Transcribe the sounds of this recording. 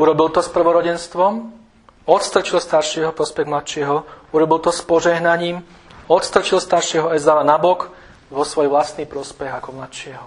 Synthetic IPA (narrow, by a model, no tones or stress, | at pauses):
uɾɔbilt̪ɔspr̩ʋɔɾɔɟɛnst̪ʋɔm | ɔt̪st̪r̩t͡ʃilst̪aɾʃɪɛɦɔpɾɔspɛɣmlat̪ʃɪɛɦɔuɾɔbilt̪ɔspɔʒɛɦnaɲiːm | ɔt̪st̪r̩t͡ʃilst̪aɾʃɪɛɦɔɛzaʋanabɔk | ʋɔsʋɔjʋlast̪niːpɾɔspɛɣakɔmlat̪ʃɪɛɦɔ